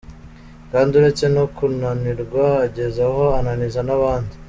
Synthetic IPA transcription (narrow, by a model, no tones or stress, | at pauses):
kaːnduɾet͡se̞no̞kunaniɾɡwaːɟe̞zaho̞ananizanaβaːndi